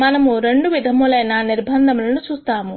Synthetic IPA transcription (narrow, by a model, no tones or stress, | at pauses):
mɐnɐmuɾe̞ɳɖuʋid̪ʱɐmulɐjnɐniɾbʱɐnd̪ʱɐmulɐnut͡ʃuːst̪aːmu